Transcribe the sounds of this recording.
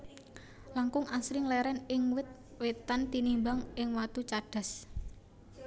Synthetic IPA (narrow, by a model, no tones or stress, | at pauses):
laŋkʊŋʔasɾɪŋlɛɾɛnɪŋwɪt̪̚wet̪ant̪inimbaŋɪŋwat̪ut͡ʃaɖ̥a̤s